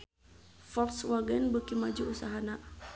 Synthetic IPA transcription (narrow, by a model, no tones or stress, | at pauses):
fɔrswaɡɛnbəkimad͡ʒuʔusaɦana